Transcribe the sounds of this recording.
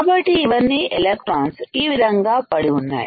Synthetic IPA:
aːbɐʈːiːʋɐnːielek̚ʈɾaːnst̪iːʋid̪ʱɐŋɡaːpɐɽiunːa̰ːji

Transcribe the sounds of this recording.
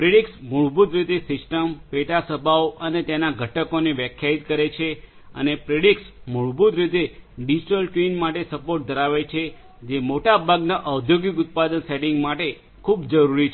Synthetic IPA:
pɾeɽiksmuɭbut̪ɾɪt̪esɪsʈəmpeʈasəbʱaoʔənet̪jenaɡʱəʈʰəkoneʋjəkʰjait̪kəɾet͡ʃʰe | ə̰nepɾeɽiksmuɭbut̪ɾɪt̪eɖid͡ʒiʈəlʈʋinmaʈesəpoɾʈ̚d̪ʱəɾaʋet͡ʃʰe | d͡ʒemoʈabʱaɡnaʔəwd̪ʱjoɡikʊt̪̚pad̪ənseɖɪŋɡmaʈe | kʰubd͡ʒəɾuɾit͡ʃʰ

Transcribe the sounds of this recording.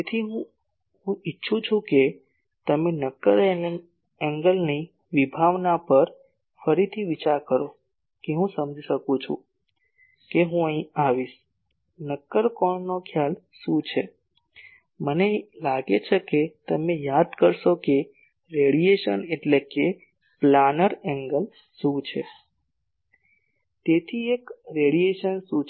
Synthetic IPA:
et̪ʰiɦũ | ɦũitːʃʰũt͡ʃʰũke | t̪əmenəkːəɾ | ɛ̃ŋɡəlni | ʋibʱaʋnapəɾ | fəɾit̪ʰiʋit͡ʃaɾkəɾo | keɦũsəmd͡ʒʱiʃəkũt͡ʃʰṵ̃ | keɦũəĩaʋiʃ | nəkːəɾkɔɳnokʰjal | ʃũt͡ʃʰe | mənelaɡet͡ʃʰeket̪əmejad̪kəɾʃoke | ɾeɽijeʃəneʈleke | planəɾɛŋɡəl | sũt͡ʃʰḛ | t̪et̪ʰiekɾeɽieʃənsũ

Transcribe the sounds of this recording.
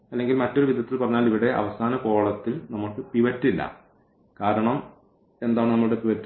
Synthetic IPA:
ɐlːe̞ŋɡilmɐtːo̞ɾuʋid̪ʱɐt̪ːilpɐrɐɲːaːliʋiɽe̞ʔɐ̰ʋɐsaːnɐko̞ːɭɐt̪ːilnɐmːuʈːɨpiʋɐtːilːɐ̰ | kaːɾɐɳɐm | e̞nd̪aːɳɨnɐmːuuɽepiʋɐtː

